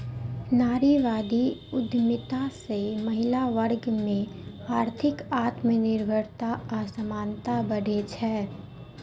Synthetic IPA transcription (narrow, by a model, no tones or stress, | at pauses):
naːɾiʋaːd̪ʱiʊd̪ʱmɪt̪asemɐɦɪlaʋəɾɡmẽ | aːɾt̪ʰɪkaːt̪mẽnɪɾbʱəɾt̪aasəmaːnt̪abɐɽ̤ʱet͡ʃʰɛː